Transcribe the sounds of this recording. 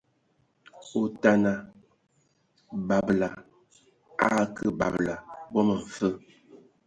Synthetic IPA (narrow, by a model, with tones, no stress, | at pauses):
o˦ta˦na˨ | ba˨bla˨ | a̰˦kə˦ba̰˨bla˨bɔ˦mə˨fə˦